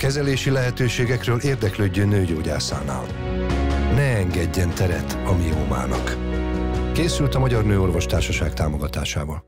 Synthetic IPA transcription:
kɛzɛleːʃilɛɦɛt̪øːʃeːɡɛkrøːleːrd̪ɛkløːɟːøːnøːɟoːɟa̰ːsa̰ːna̰ːl | nɛɛŋɡɛɟːɛnt̪ɛɾɛt̪ɒmioːma̰ːnɒ̰k | keːsylt̪ɒmɒɟɒrnøːo̞rvo̞ʃt̪aːrʃɒʃaːkt̪aːmo̞ɡɒt̪a̰ːʃaːvɒl

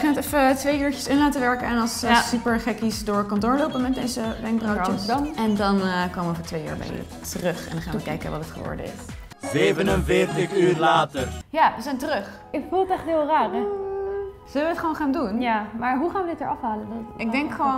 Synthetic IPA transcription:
χaːnətɛfətʋejyːɹt͡ʃəsɪnlaːtəʋɛɹkəɛnɑlˠsssypəɹχɛkisdʊːɹkɑnt̬ʊːɹlowpəmɛt̚dejzəʋɛŋk̚browəɛndɑnkowməɛfətʋejy̰ːɹbɛ̰j̰ | tərøχɛ̰ndɑχaːnʋəkɛjkəʋɑtətχə̰ʊ̰ːɹdə̰ɪ̰s | ʋebənənvɪrtəχylaːtəjaːʋəzɛjntərɵχ | ɪkfulˠətɛχtɦɪːlˠraːrə | z̥ɵləʋəətχʋoːwnχaːndunjamaːɹɦuχaːnʋədɪtəɹɑfɦaːləndɪɡ̚dɛŋkχəʋon

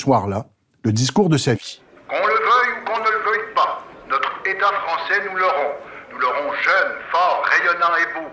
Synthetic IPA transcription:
swaʁla | ləd̪iskuʁd̪əsavi | kɔ̃ləvœjukɔ̃nələvœjpanɔt̪χet̪afχɑ̃sɛnulɔʁɔ̃nulɔʁɔ̃ʒœnfɔʁːejɔnɑ̃ebo

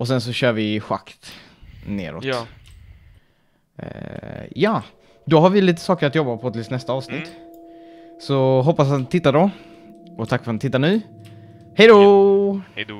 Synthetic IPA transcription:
ɔsɛns̬ɔɕœːɾvɪɧa̰kt̪ | nḛːɾɔ̰ːt̪ | jɑː | d̪ɔɦaɾvɪliːt̪ə̥sɑːkəɾat̪jɔbːapʰɔt̪ʰɪlsnɛst̪aɑːvsnɪt̪ː | sɔɦɔpːasat̪nɪt̪ʰɪt̪ːadɔ | ɔt̪ʰakːfœɾt̪nt̪ɪt̪ːanʉ̟ː | hɛjd̪o

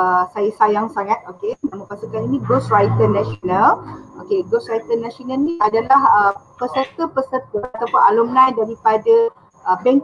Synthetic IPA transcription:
əsajasajaŋsaŋãt̪̚okenãmãpasukaninĩɡosrajt̪ənasionalokeɡosrajt̪ənãsonalniadalahəpəsərt̪əpəsərt̪əat̪awpʊnalomnãjdaɾipada | ʔəbɛŋk

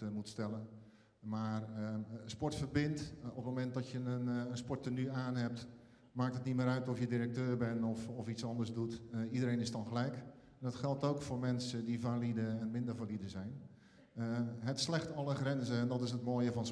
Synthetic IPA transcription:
mutstɛlən | maːrspɔɹtfərbɪntɔpmomɛnt̚dɔtjənənspɔɹtənyaːnɦɛp̚t | maːktətnimɪːɾœɥtɔfjədiɾək̚tøːrbɛnɔfɔfisɔndərzdutidəɾeːnɪsdɔnxəlɛjk | ɛndɔtxɛlˠtowkfoːrmɛnsədivalidəɛnmɪndərvalidəzɛjn | ɦɛtslɛxtɔlˠəxrɛnzəɛndɔtɪs̬ət̚moːjəvɔns

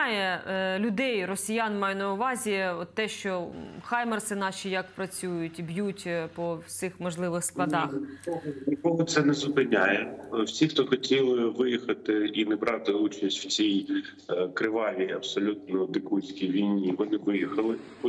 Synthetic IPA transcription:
jɛlʲʊd̪ɛjrɔsʲijanmɑjɛnɐʊʋɑzʲiɔt̪ːɛʃt͡ʃɔxɑjmɐrsɪnɑʃʲijɐkpɾɐt͡sʲujʊtʲibjutʲpɔwsʲɪxmɔʒlˠɪʋɪxsk̪ˠɐd̪ɑxɔɦɔnʲikɔɦɔt̪sɛnɛzʊpɪnʲajɛwsʲixt̪ɔxɔtʲilˠɪʋɪjixɐt̪ɪinɛbɾɑt̪ɪut͡ʃɐsʲtʲw̥t͡sʲij | kɾɪʋɑʋʲiɐbsɔlʲut̪nɔd̪ɪkusʲkʲijʋʲijnʲiʋɔnɪʋɪjixɐlˠɪ

